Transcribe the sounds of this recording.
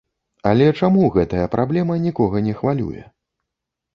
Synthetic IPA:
ɐlʲɛt͡ʂamuɣɛt̪ɐjɐpɾʔablʲɛmɐnʲikɔɣɐnʲɛxvalʲṵjɛ̰

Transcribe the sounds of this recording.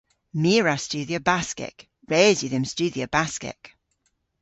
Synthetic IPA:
miːɹastʉːðiəbaskɛ̰k | ɹɛːzjəðɪmst͡ʃʉːðiəb̥askɛ̰k

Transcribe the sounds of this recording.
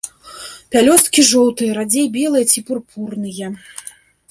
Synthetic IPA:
pʲalʲɔst̪kʲiʐɔlˠt̪ɨjɐɾad͡zʲejbʲɛlˠɨjɐt͡sʲipɨrpʰurnɨjɛ

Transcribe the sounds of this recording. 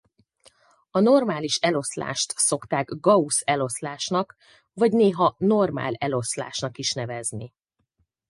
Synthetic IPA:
ɒno̞rmaːliʃɛlo̞sla̰ːʃt̪so̞kt̪aːɡɡɒusɛlo̞slaːʃnɒk | vɒɟneːɦɒnorma̰ːlɛlo̞sla̰ːʃnɒkiʃn̪ɛvɛzni

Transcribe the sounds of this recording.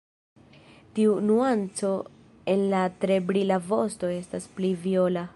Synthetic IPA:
tiunuant͡so̞ | e̞nlatɾe̞bɾilavo̞sto̞e̞stasplivio̞la

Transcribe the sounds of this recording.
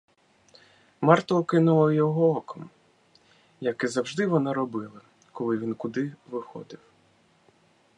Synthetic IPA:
mɑrt̪ɔɔkɪnʊlˠɔjɔɦɔɔkɔm | jɐkɛzɐwʒd̪ɪʋɔnɑɾɔbɪlˠɐ | kɔlˠɪʋʲinkʊd̪ɪʋɪxɔ̰d̪ɪw

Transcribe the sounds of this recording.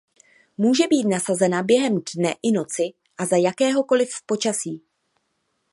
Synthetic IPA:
muːʒɛbiːt̪nasazɛnabjɛɦɛmdnɛʔɪno̞t͡sɪ | ʔazajakɛːɦo̞ko̞lɪfpo̞t͡ʃasiː

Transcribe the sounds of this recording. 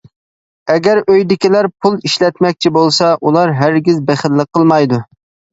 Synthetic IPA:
ɛɡʲæɾøjd̪ɪkʲilæɾpʰulˠiʃlɛt̪mɛk̚ʲt͡ʃʰibolˠsɑʔulˠɑɾɦæɾɡʲizbæχəlːəqʰːəlˠmɑjd̪u

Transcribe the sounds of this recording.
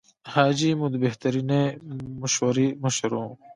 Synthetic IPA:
haːd͡ʑimũd̪beht̪ɐɾinemɐʃwɐɾimɐʃɾõː

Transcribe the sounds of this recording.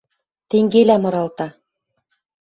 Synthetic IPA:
t̪eŋɡelæmɤ̆ɾɑlt̪ɑ

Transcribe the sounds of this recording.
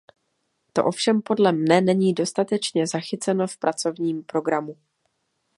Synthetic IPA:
t̪o̞ʔo̞fʃɛmpo̞dlɛmnɛnɛɲiːdo̞st̪at̪ɛt͡ʃɲɛzaxɪt͡sɛno̞fpɾʔat͡so̞vɲiːmpɾo̞ɡɾamu

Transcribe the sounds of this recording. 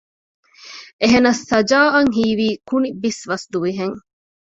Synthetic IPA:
ʔeɦenɐsːɐd͡ʒaːɐŋɦiːʋiːkunibisʋɐsd̪uʋiɦeŋ

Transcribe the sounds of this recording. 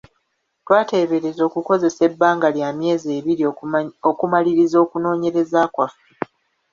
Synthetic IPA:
twaːte̞ːβe̞ɾe̞zo̞ːkuko̞ze̞se̞bːaːŋɡaljaːmje̞ːze̞ːβiɾiokumaliɾizo̞ːkuno̞ːɲe̞ɾe̞zaːkwafu

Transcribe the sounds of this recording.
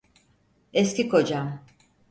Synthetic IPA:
ɛscʲikʰo̞d͡ʒam

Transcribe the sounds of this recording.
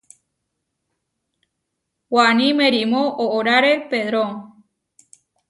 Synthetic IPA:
wanĩmẽɾimõʔoʔoɾaɾepeðɾõn

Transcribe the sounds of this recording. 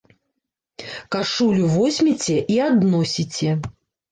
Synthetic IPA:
kaʂulʲuvɔsʲmʲit͡sʲɛʔiad̪nɔsʲit͡sʲɛ

